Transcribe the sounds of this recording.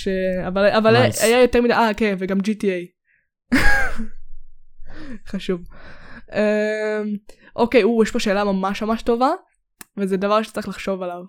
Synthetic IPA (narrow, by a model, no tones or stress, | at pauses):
ʃeavalavalajajo̞temideʔakeveɡamd͡ʒitiej | χaʃuv | emʔoke̞jujɛʃpoʃe̞ːlamamaʃmamaʃto̞va | vezedavaʁʃe̥t͡saʁiχlaχʃo̞valav